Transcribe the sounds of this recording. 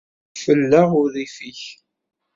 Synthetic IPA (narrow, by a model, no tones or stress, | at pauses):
fəlːaʁʊɾðifiç